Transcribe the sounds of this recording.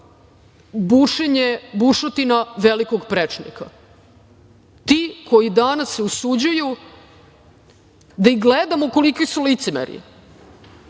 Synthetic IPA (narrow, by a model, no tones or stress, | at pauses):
buʂeɲebuʂot̪inaʋelikoɡpɾet͡ʂnḭka̰ | t̪iːkʰo̞jid̪anasːeusud͡ʑuju | d̪aiɡled̪amoko̞likisulit̪semḛɾḭ